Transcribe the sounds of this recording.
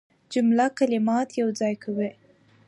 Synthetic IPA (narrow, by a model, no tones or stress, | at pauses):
d͡ʒʊmlakalɪmɑt̪jawd͡zɑjkawe